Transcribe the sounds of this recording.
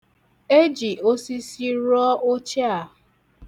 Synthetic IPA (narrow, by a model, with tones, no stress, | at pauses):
e˦d͡ʒi˨o˦si˦si˦ɾɔ˦o˦t͡ʃa˨